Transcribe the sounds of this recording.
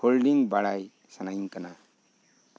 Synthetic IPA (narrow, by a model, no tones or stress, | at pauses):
olɖiŋbaɽaj | sanajnkana